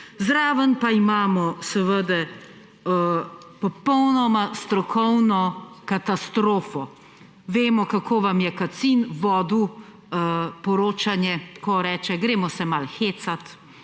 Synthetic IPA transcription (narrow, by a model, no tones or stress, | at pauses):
zɾaːʋənpaimaːmɔsɛʋəd̪ɛ | pɔpɔwnɔmast̪ɾɔkʰɔwnɔkat̪ast̪ɾoːfɔ | ʋeːmɔkakʰoːʋamjɛkat̪sinʋɔːd̪u | pɔɾoːt͡ʃanjɛkɔɾɛːt͡ʃɛɡɾeːmɔsɛmalxeːt̪sat̪